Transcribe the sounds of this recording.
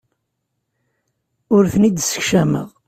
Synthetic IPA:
ʊɾθənid̪sə̥çʃæmə̰ʁ

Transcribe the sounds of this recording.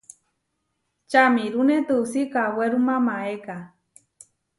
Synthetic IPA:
t͡ʃamiɾunet̪ɨusikaweɾumamaeka

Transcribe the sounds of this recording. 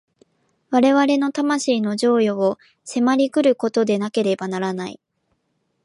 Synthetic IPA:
βaɾe̞βaɾe̞no̞t̪amaɕiːno̞ʑo̞ːjo̞ː | se̞maɾʲikɯ̟ɾɯ̟ko̞t̪o̞d̪e̞nake̞ɾe̞banaɾanaḭ

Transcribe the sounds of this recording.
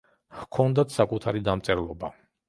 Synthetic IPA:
hkʰɔnd̪at̪ʰsakʼut̪ʰaɾid̪amt̪sʼɛɾlˠɔba

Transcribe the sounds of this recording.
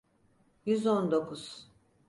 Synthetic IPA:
jyzond̪o̞kʰuz̥

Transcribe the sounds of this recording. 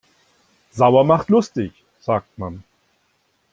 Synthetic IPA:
zaʊɐmaχtlʊstɪç | z̥aːk̚tman

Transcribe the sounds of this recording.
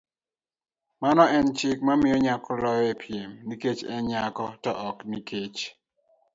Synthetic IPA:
manɔɛnt͡ʃɪk̚mamɪjɔɲakɔlɔjɛpʰjemniket͡ʃɛ̰ɲakɔtɔʔɔkniket͡ʃ

